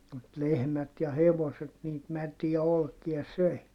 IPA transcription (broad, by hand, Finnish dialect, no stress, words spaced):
mut lehmæt jɑ heʋoset niːt mætiæ olkiɑ søi